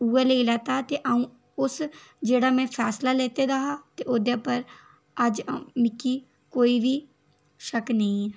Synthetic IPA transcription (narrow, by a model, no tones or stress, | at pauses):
uːɛːleːilɛːt̪aːt̪eːʔaːũː | ʊsd͡ʒeːɽaːmɛ̃ːpʰɛːslaːleːt̪eːd̪aːɦaːt̪eːʔoːd̪aːpəɾ | əd͡ʒmɪkːiː | koːiːʋiː | ʃəknəĩː